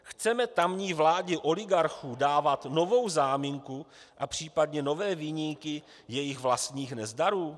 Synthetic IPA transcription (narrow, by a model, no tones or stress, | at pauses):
xt͡sɛmɛt̪amɲiːvlaːɟɛʔo̞lɪɡaɾxuːdaːvat̪no̞vo̞wzaːmiŋkuʔapr̝̥iːpadɲɛno̞vɛːviːɲiŋkɪ | jɛjɪxvlast̪ɲiːxnɛzdaɾuː